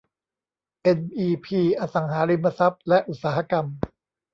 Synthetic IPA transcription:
ʔe˧nʔiː˧pʰiː˧ʔaː˧sa˩˦ŋɦaː˩˦li˧mːa˧sa˦˥p̚lɛ˦˥ʔu˨˩t̪̚saː˩˦ha˧ka˧m

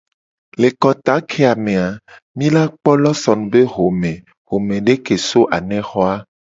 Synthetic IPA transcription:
le˨kɔ˨t̪a˨˦kʰe˦a˨mẽ˨a˨ | mĩ˦la˦k͡pɔ˦lɔ˦sɔ˨nũ˨be˦ɦo˨mẽ˨ | ɦo˨mẽ˨ɖe˦ke˨so˦ʔa˨nɛ̃˦xɔ˦a˦

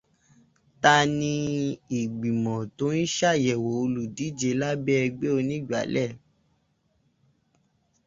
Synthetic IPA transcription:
ta˧nĩ˧i˨ɡ͡bi˨mɔ̃˨to˨˦ni˦ʃa˦˨jɛ˨wo˨o˧lu˨di˨˦d͡ʒe˧˦la˦bɛ˦ɛ˧ɡ͡be˦o˧nĩ˦˨ɡ͡ba̰˨˦lɛ˦˨

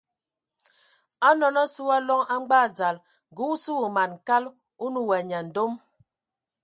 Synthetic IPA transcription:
a˦nɔ˨nɔ˦su˦a˦lɔ˦ŋa˦ŋ͡m̩˦ɡ͡ba˦˨d͡za˨l | ɡu˨˦su˦u˨ma˨n˨ka˦l | u˦nu˦˨wɛ˨ɲa˨n̩˨do˦m

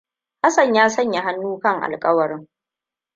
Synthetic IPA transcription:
ha˦sɐ˨ɲjaː˦sɐ˦˨ɲja˨ɦa˦nːuː˦kɐ˦ŋʔa̰˨lkʼɐ˦wɐ˨ɾɪ˦ŋ

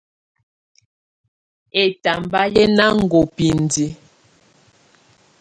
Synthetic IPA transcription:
e˨ta˨mba˦jɛ˦na˦ŋ̩˨ɡo˨pi˨n˨di˨

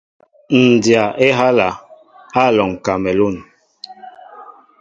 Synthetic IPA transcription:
n̩˨dja˨ʔe˦ɦa˦la˨ | a˦˨lɔ˨ŋ˨ka˨mɛ˨lo˦˨n

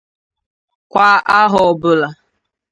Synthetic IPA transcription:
kʷa˦ʔa˦ɦɔ˨ɔ˨bʊ˨la˨

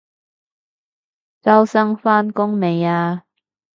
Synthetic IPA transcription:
t͡sɐ˥wsɐ˥ŋfaː˥nkʊ˥ŋme˨˧jaː˧

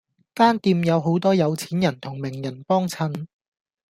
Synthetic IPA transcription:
kaː˥nt̪iː˧mjɐ˨˧wɦo˨˥wt̪ɔː˥jɐ˨˧wt͡sʰiː˨˥njɐ˨˩nt̪ʰʊ˨˩ŋmɪ˨˩ŋjɐ˨˩npɔː˥ŋt͡sʰɐ˨˥n

